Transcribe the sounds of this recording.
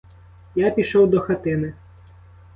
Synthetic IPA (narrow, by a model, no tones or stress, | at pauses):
japʲiʃɔwd̪ɔxɐt̪ɪnɪ